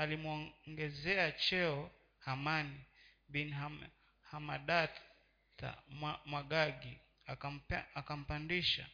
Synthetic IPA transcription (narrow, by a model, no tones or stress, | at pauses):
alimuɔŋɡɛzɛat͡ʃɛɔ | hamani | bina | hamaɗa | ta̰amwaɡaɡi | aakam̩pandiʃa̰